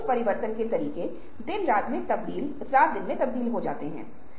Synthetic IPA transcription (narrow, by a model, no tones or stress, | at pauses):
spɐɾɪʋəɾt̪ənket̪ɐɾiːke | d̪ɪnɾaːt̪mẽt̪ɐbd̪iːl | saːt̪̚ʰd̪ɪnmẽt̪ɐbd̪iːlɦod͡ʒa̰ːt̪eɦɛ̰̃ː